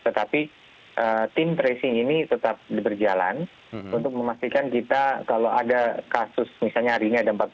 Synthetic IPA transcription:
t̪ət̪api | ʔət̪ɪmt̪ɾesɪŋinit̪ət̪ap̚dbərd͡ʒala̰n | unt̪ʊk̚məmast̪ikankit̪akalowadakasʊsmisalɲaɾiɲadampat̪̚

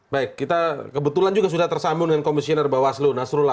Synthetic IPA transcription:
baɪkːit̪akəbət̪uland͡ʒuɡas̬udaht̪ərsambʊŋdəŋankomisionərbawaslunasɾula

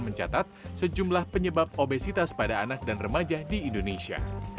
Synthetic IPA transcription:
məɲt͡ʃa̰t̪at̪̚səd͡ʒumlahpəɲəbap̚obesit̪aspadaːnak̚danrəmad͡ʒadiːndonesia̰

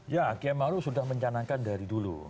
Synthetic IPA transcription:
jakiamaɾusudahməɲt͡ʃanaŋkandaɾidulṵ

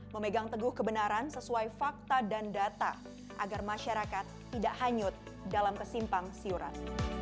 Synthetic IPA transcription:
məmeɡaŋt̪əɡʊhkəbənaɾansəsuajfak̚t̪adandat̪a̰ | ʔa̰ɡarmaʃaɾakat̪ːidaʔhaɲʊt̪̚ | dalamkəsimpaŋsiuɾa̰t̪̚

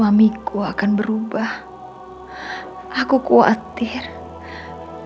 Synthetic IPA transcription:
amikuakanbəɾubah | akukua̰t̪ɪr

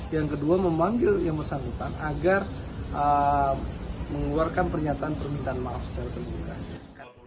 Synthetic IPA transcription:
jaŋkəduaməmaŋɡɪljaŋbərsaŋut̪anaɡarʔə | məŋluarkanpərɲat̪aːnpərmint̪aanmafsəlk̪əmuɡa̰ka

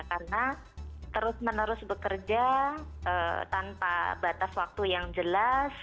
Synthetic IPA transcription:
karna | t̪əɾʊsmənəɾʊsbəkərd͡ʒaʔət̪anpa̰bat̪aswak̚t̪ujaŋd͡ʒəlas

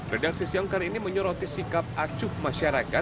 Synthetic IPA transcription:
redak̚sisiɔŋkaɾiniməɲɔɾɔt̪isikap̚ʔat͡ʃʊhmaʃaɾakat̪̚

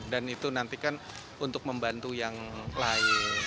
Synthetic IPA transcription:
danit̪unant̪ikan | unt̪ʊk̚məmbant̪ujaŋlaɪ

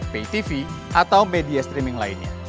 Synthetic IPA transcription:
peit̪ifiʔat̪awmediast̪ɾimɪŋlainɲa̰

